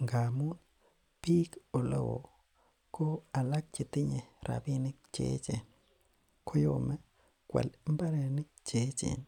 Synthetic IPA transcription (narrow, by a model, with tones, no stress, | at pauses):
ŋɡa˨mu˦n | pi˦ko˨lo̰˦wo̰˨ | ko˦a˨la˦k̚t͡ʃi˨t̪i˦ɲe˨ɾa̰˨bi˦nɪ˦k̚t͡ʃḛ˦t͡ʃe˨n | kʰo˦jo̰˨mɛ˦ | kwɛ̰˨li˦mba˦ɾe˨nɪ˦k̚t͡ʃe˨˦t͡ʃḛ˨n